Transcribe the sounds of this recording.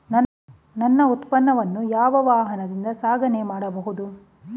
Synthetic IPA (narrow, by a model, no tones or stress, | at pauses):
nɐ | nɐnːɐut̪pɐnːɐʋɐnːujaːʋɐʋaːɦɐnɐd̪ind̪ɐsaːɡʱɐnemaːɽɐbɐɦud̪u